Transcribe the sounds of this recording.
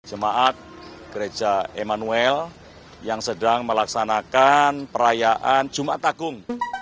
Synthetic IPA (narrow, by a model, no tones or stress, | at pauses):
d͡ʒ̥əmaʔat̪̚ | ɡ̥əɾe̥d͡ʒ̥aemanuɛl | jaŋsədaŋməlaksanakanpəɾajaʔand͡ʒ̥umaat̪ːaɡ̥ʊŋ